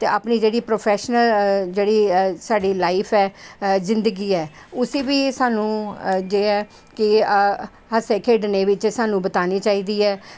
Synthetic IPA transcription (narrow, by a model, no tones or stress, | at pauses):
t̪eːaːpniːd͡ʒeːɽiːpɾoːpʰɛːʃnəld͡ʒeːɽiːsaːɖiːlaːɪpʰɛːzɪ̃nd̪əɡiːɛː | ʊseːʋiːsaːnũːd͡ʒeːɛː | kɪ | ɦəseːkʰeːɖneːʋɪt͡ʃsaːnũːbət̪aːniːt͡ʃaːiːd̪iːɛː